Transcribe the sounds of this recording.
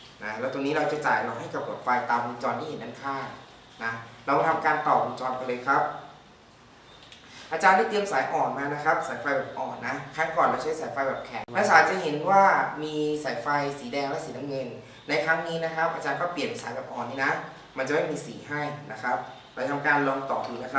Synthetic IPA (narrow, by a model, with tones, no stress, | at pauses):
na˦˥lɛː˧˦˥wt̪o˧niː˦˥ɾa˧wt͡ɕa˨˩t͡ɕaː˨˩jlɔː˨˧˩wɦa˥˩jka˨˩p̚koː˨˩t̪̚fa˧jt̪aː˧mʔu˧nt͡ɕɔː˧nt̪ʰiː˥˩˨e˩˦nʔa˧˩nkʰaː˥˩n | na˦˥lɛː˧˦˥wt̪ʰa˧m˧kaː˧nt̪ɔː˨˩p̚ʔu˧nt͡ɕɔː˧nkɔ˧lɤː˧jkʰa˦˥p̚ | ʔaː˧t͡ɕaː˧nda˥˩jt̪i˧əmsaː˨˦jʔɔː˨˩nmaː˧na˦˥kʰa˦˥p̚saː˨˩˦jfa˧jbɛː˨˩p̚ʔɔː˨˩nːa˦˥kʰa˦˧˥ŋkɔː˨˩nla˧wt͡ɕʰːsaː˨˦jfa˧jbɛː˨˩p̚kʰɛ˨˩ŋnaː˧˥saː˨˦t͡ɕa˨˩he˩˦nwaː˥˩miː˧saː˩˦jfa˧jsiː˩˦dɛː˧ŋlɛ˦˥siː˩˦na˧ŋɤ˧n | na˧jkʰa˦˥ŋniː˦˥na˦˥kʰa˦˥p̚ʔaː˧t͡ɕaː˧nkɔː˥˩pli˨˩ənsaː˨˩˦jbɛː˨˩p̚ʔɔː˨˩nːiː˥˩na˦˥ | ma˧nt͡ɕa˨˩ma˥˩jmiː˧siː˩˦ɦaː˥˩jna˦˥kʰa˦˥p̚ | laː˧t͡ɕa˧t̪ʰa˧mkaː˧nlɔː˧ŋt̪ɔː˨˩k̚juː˨˩na˦˥kʰa˦˥